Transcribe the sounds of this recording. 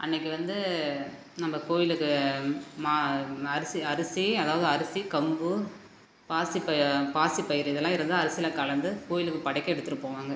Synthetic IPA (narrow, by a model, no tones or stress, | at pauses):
ʔɐ̰nːɛk̬ʲːɯʋɐnd̪ɯ | nɐmːɐkoːjɪlɯkːɯmaːɐɾɯsiɐɾɯsiɐðaːʋɐðɯɐɾɯsikɐmbɯ | paːsiɐpaːsipːɐjɪɾɯɪðɛlːãːɪɾɯnd̪ãːɐɾɐsɪjlɐkɐlɐnd̪ɯkoːjɪlɯkːɯpɐɽɐɪkːɐɛɽɯt̪ːɯɾɯpːoːʋaːŋɡɐ